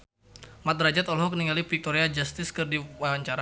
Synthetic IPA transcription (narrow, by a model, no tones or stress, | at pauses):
mat̪̚rad͡ʒat̪ɔlɦɔkniŋalipik̚t̪oɾead͡ʒast̪ɪskɨrdiwaaɲt͡ʃaɾa